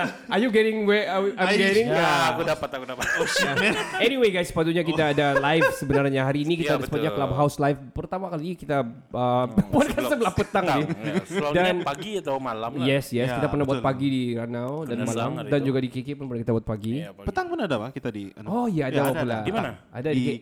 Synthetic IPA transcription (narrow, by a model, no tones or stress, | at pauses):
ajuɡɛɾɪŋwɛawajɡɛɾɪ̃ŋaakudapat̪akudapat̪jaɛniweɡajspat̪uɲakit̪aːdalajfsəbənarɲaɦaɾiːnikit̪aːdasəpat̪uɲaklab̚ɦawslajfpərt̪amakalikit̪a | əpuakasabəlahpət̪aŋɪdanpaɡiat̪awmalamjɛsjɛskit̪apərnahbuat̪̚paɡidiɾanawdanmalamdand͡ʒuɡadikekepʊnpərnakit̪abuat̪̚paɡipət̪aŋpʊnadabakit̪adiɔhjaːdawapulaimana | a̰daike